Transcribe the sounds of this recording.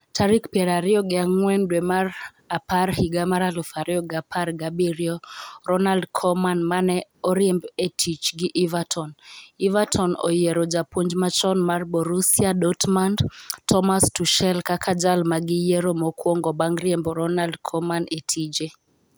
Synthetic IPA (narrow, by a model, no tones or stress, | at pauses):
tʰaɾikpjeɾaɾɪɔɡɪaŋwɛndwɛmar | aparhiɡamaɾalufaɾɪɔɡapʰarɡabiɾjɔɾɔnaldkʰɔmanmanɛɔɾjembetʰit͡ʃɡɪʔivatʰɔnivatʰɔnɔ̰jeɾɔd͡ʒapoɲd͡ʒmat͡ʃɔnmarbɔɾusiaɗɔtmandtʰɔmastuʃɛlkakʰad͡ʒalmaɡɪjeɾomɔkwɔŋɡɔbaŋɡɾjembɔɾɔnaldkʰɔmanetʰid͡ʒe